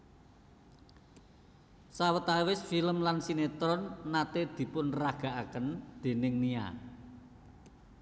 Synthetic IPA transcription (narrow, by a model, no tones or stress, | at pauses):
sawət̪awɪsfiləmlansinet̪ɾɔnːat̪ed̪̥i̤pʊnraɡ̥a̤ʔakənd̪̥e̤nɪŋnia̰